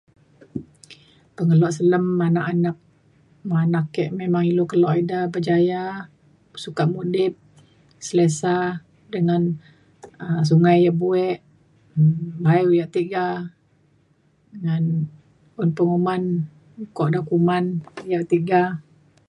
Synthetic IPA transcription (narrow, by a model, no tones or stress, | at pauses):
pəŋəlɔʔsələmːanaʔanak̚ | manakːɛʔmemaŋilokəlɔʔidabəd͡ʒaja | sukaʔmudɪp̚ | səlesa | dəŋan | əs̬uŋajabuɛʔ | bajujaʔt̪iɡa | əŋan | ʊnpəŋuman | kɔʔdakumanjaʔt̪iɡa